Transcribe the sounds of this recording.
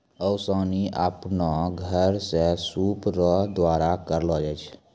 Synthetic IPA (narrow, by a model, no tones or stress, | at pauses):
əʊsɔːniʔa̰pnaɡʱəɾsesuːpɾɔd̪waːɾakəɾlɔd͡ʒɛt͡ʃʰ